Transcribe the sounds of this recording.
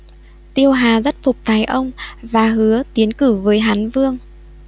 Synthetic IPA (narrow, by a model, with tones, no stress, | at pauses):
t̪i˧əwɦaː˨˩zə˦˥t̚fʊ˨˩k͡p̚t̪ʰaː˨˩jʔə˧wŋ͡mvaː˨˩ɦɨ˨˦ət̪i˨˦ənkɨ˧˩vəː˨˦jɦaː˨˦nvɨ˧əŋ